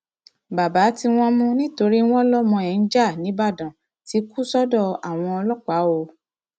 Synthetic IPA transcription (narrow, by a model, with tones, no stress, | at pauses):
ba˨ba˨˦ti˧w̃ɔ̃˧mũ˦nĩ˦to˧ɾi˦w̃ɔ̃˦lɔ˦mɔ̃˧ɛ̃˨n̩˦d͡ʒa˦˨nĩ˨˦ba˦˨dã˨ | ti˨˦ku˦sɔ˦dɔ˦˨a˨w̃ɔ̃˧ɔ˧lɔ˦k͡pa˨˦o˧